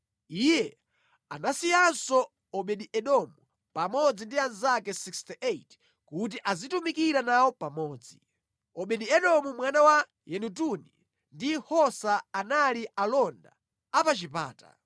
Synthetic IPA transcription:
ijɛ | a̰nasijansɔ | ɔɓɛɗiʔɛɗɔmu | pamɔd͡zindianzakɛsikstiʔet | kut̬iʔazitumikiɾanawɔpamɔːd͡zi | ɔɓɛɗiɛɗɔmumwanawa | jɛnut̬unḭ | ndihɔsaːnalialɔnda̰ | apat͡ʃipa̰ːta̰

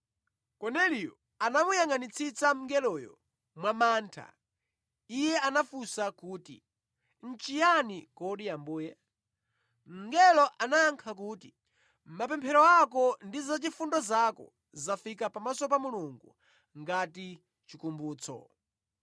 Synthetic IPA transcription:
kɔnɛlijɔ | anamujaŋanit͡sʰit͡sam̩ŋɡɛlɔjɔ̰ | mwamaːntʰa̰ | ijɛʔanafusakuːtḭ | n̩t͡ʃijanikɔɗijambuːjɛ | m̩ŋɡɛlɔʔanaaŋkʰak̬uːti | m̩mapɛmpʰɛɾɔakɔndizat͡ʃifundɔzakɔ̰ | zafikapamasɔp̬amuluŋɡṵ | ŋɡati | t͡ʃikumbuːt͡sʰɔ̰

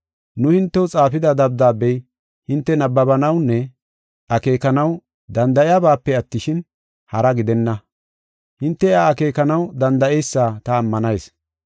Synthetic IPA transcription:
nʊhɪnt̪ːɛwʊt͡sʼaːfɪd̪ɐd̪ɐb̚d̪aːbɛj | hɪnt̪ːɛnɐbːɐbɐnɐwnːɛ | ʔɐke̞ːkɐnɐw | d̪ɐnd̪ɐɪjabaːpːɛɐt̪ːɪʃɪn | hɐɾɐɡɪd̪ɛnːɐ | hɪnt̪ːɛaːke̞ːkɐnɐwd̪ɐnd̪ɐʔɛjsːaːt̪ɐːmːɐnɐjs

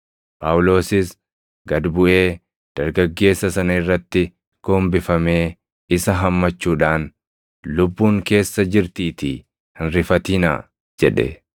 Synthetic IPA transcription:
paːwlo̞ːsɪs | ɡɐd̪bʊʔe̞ː | d̪̥ɐɾɡɐɡːe̞ːsːɐsɐnɐɪrːɐt̪ːɪ | ɡ̥o̞ːmbɪfɐme̞ː | ɪsɐɦɐmːɐt͡ʃːuːᶑaːn | lʊbːuːŋke̞ːsːɐd͡ʒɪɾt̪iːt̪i | hɪnɾɪfɐt̪ina̰ː | d͡ʒɛᶑɛ̰

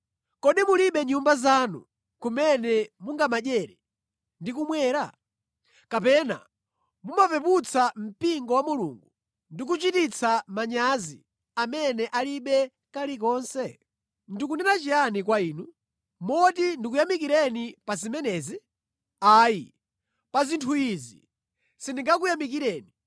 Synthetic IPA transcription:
kɔɗimuliɓɛɲumbazanṵ | kumɛnɛmuŋɡamaʄɛɾɛ | ndik̬umwɛːɾa | kapɛna̰ | mumapɛput͡sam̩piŋɡɔwamulṵŋɡu | ndik̬ut͡ʃitit͡sʰamaɲazḭ | amɛnɛʔaliɓɛ | kalik̬ɔːnsɛ | ndikunɛnat͡ʃianikwaiːnu | mɔtindik̬ujamik̬iɾɛnipazimɛnɛːzi | aːji | pazintʰuizḭ | sindiŋɡak̬ujamik̬iɾɛːni

